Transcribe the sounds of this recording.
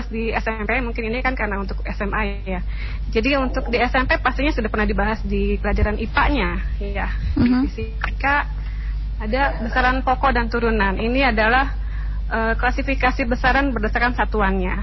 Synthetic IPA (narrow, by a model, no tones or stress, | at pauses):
sdiɛsɛmpemuŋkɪninikankaɾənaunt̪ʊkɛsɛma | ja | d͡ʒadiunt̪ʊk̚diɛsɛmpepast̪iɲasudahpərnahdibaɦasdipəlad͡ʒaɾanʔipaʔɲajaiisi | ikaʔː | dabəsaɾanpɔkɔdant̪uɾunaniniadalah | ʔəːklasifikasibəsaɾanbərdasarkansat̪uanɲa